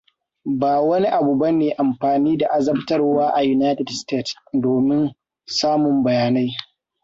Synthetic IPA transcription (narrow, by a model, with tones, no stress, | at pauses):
baː˨wɐ˦ni˦ʔa˨bu˨bɐ˦neː˨ʔa˨mɸaː˨niː˦da˨ʔa˦zɐ˦btɐ˦rwaː˦ʔa˨ju˨naː˦jtɛ˨dsteː˦˨tsdoː˨mɪ˦n | saː˦mʊ˨mbɐ˨jaː˨na˦j